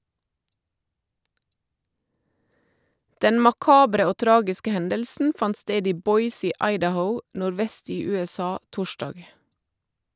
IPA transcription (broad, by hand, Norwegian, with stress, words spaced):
ˈdɛn mɑˈkɑːbɾə ˈoː ˈtɾɑːɡɪskə ˈhɛndəlsn̩ ˈfɑnt ˈsteːd ˈiː ˈbɔʏs ˈiː ˈɑɪdəˌhəʊ nʊɾˈʋɛst ˈiː ʉɛˈsɑː ˈtʊˌʃdɑɡ